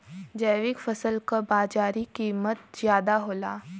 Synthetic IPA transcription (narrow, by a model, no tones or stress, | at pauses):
d͡ʒəːʋɪkfɐsəlkabaːd͡ʒaːɾikiːmət̪̚z̥jaːd̪aɦoːlaː